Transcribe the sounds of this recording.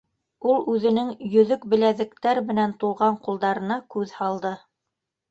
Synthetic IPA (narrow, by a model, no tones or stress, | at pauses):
ulˠʉðɘ̆nɘŋjɵ̆ðɵkbɘ̆læðɘ̆kt̪æɾmɘ̆nænt̪uʁɑɴqulˠd̪ɑɾɤ̆nɑkʉðhɑlˠd̪ɤ